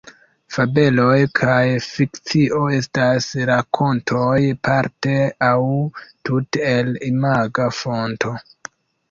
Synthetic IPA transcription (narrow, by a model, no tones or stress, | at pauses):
fabe̞lo̞jkʰajfikt͡siʔo̞e̞stasɾakʰo̞ntʰojpaɾteawtutelimaɡafo̞nto̞